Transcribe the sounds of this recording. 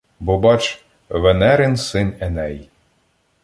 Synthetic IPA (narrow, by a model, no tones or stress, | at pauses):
bʊbɑt͡ʃ | ʋɛnɛɾɪnsɪnɛnɛj